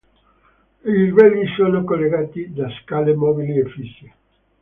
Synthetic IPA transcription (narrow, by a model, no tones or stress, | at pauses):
irivɛlmisoːnokolːeɡaːt̪id̪askaːlemɔbiliefisːe